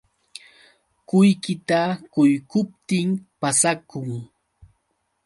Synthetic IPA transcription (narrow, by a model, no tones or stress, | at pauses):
kʊjkɪt̪akʊjkʊpt̪ɪmpasakʊŋ